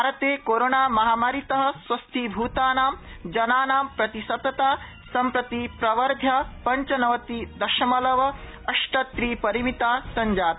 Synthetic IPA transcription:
bʱaːɾɐt̪eːkoːɾoːnaːmɐɦaːmaːɾit̪ɐɦɐ̆swɐst̪ʰibʱuːt̪aːnaːmd͡ʒɐnaːnaːmpɾɐt̪isɐt̪ːɐt̪aː | sɐmpɾɐt̪ipɾɐʋɐɾd̪ʱjɐpɐɲt͡ʃɐnɐʋɐt̪id̪ɐʃɐmɐlɐʋɐ | ɐʂʈɐt̪ɾiːpɐɾimit̪aːsɐɲd͡ʒaːt̪

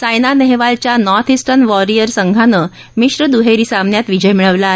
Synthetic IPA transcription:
sajnaneɦeʋalt͡ɕjanɔɾt̪ʰisʈənʋɔɾiəɾsəŋɡʱanəː | miʂɾəd̪uɦeɾisamnjat̪ʋid͡ʑəjmiɭəʋlae

